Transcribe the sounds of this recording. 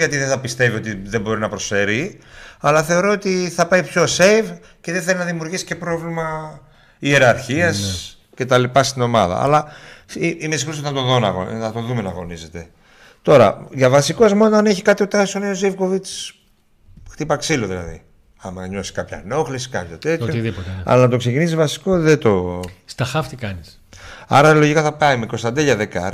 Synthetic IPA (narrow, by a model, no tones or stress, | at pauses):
ʝɐt̪iðeθɐpist̪e̞vio̞t̪iðebo̞ɾinɐpɾo̞sfe̞ɾiɐlɐθe̞o̞ɾo̞ot̪iθɐpɐjipço̞sejv | ce̞ðeθelinɐðimjuɾʝisi̥ce̞pɾo̞vlimɐ | ie̞ɾɐɾçiɐs | ce̞t̪ɐlipɐst̪ino̞mɐðɐ̰ɐ̰lɐiimes̬ixosoɐt̪oðonɐ̰ɣonɐt̪o̞ðume̞nɐɣo̞nize̞t̪e̞ | t̪o̞ɾɐ̰ʝɐvɐsikozmonoɐneçikɐt̪iot̪ɐsoneozivko̞vit͡s | xt̪ipɐksiloðilɐ̰ðḭ | ɐmɐɲo̞si̥skɐpçɐ̰no̞xlisi̥kɐpçot̪e̞t̪çoiðipot̪eɐ̰lɐnɐt̪o̞kse̞cinisizvɐsi̥ko̞ðet̪o̞st̪ɐxɐft̪ikɐnis | ɐ̰ɾɐlo̞ʝikɐθɐpɐimeko̞st̪ɐnd̪eʎɐðekɐ̰ɾ